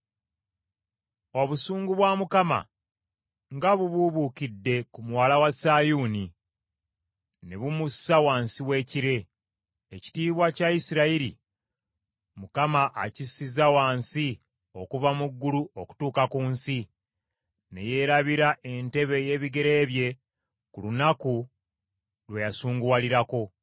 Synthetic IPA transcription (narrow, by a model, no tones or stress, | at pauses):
o̞βusuːŋɡuβwamukama̰ | ŋɡaβuβuβukidːe̞kumwaːlawasaːjuːni | neβumusawaːnsiwe̞ːciɾe̞ː | ci̥tiːβwacaisiɾaiɾḭ | mukamaʔa̰cisizawaːnsi | o̞kuvamuɡːuluʔo̞ku̥tuːkakuːnsi | ne̞̰je̞ːɾaβiɾaʔe̞nte̞βe̞je̞ːβiɡe̞ɾe̞ːβje̞ | kulunaku | lwejasuːŋɡualiɾako̞